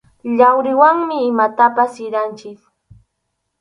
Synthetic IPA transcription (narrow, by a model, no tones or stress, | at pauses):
ʎawɾɪwaŋmɪːmat̪apasɪɾant͡ʃɪk